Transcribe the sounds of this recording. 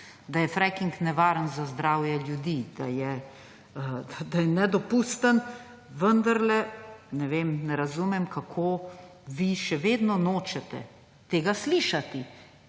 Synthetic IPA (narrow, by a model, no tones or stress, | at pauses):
d̪ajɛfɾɛkiŋknɛʋaːɾənzazd̪ɾaːwjɛljud̪iːd̪̥ajɛ | əd̪ajɛnɛd̪ɔpuːst̪ən | ʋənd̪aɾlɛnɛʋeːmnɛɾazumɛmkakʰoʋiʃɛʋeːd̪nɔnoːt͡ʃɛt̪ɛ̰ | t̪eːɡasliːʃat̪i